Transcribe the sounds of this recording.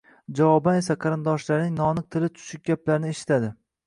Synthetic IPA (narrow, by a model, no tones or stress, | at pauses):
d͡ʒavɒbane̞saqʰɑɾɪnd̪ɒʃlaɾnɪŋnɒnɨq̚t̪ʰɪlɪt̪ʰʊ̥ʃɪk̚ʲɡʲaplaɾɪnɪeʃɪ̥t̪ʰad̪ɪ